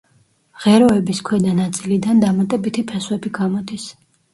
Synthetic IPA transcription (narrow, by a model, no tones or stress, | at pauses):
ʁɛɾɔɛbiskʰwɛd̪anat̪sʼilid̪and̪amat̪ʼɛbit̪ʰipʰɛswɛbiɡamɔd̪is